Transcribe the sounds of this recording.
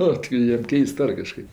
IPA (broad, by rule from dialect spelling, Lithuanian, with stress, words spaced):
ˈnʊ tʲɪ ˈjiɛm ˈkʲɛɪst ˈɐr kɐˈʃkɐɪp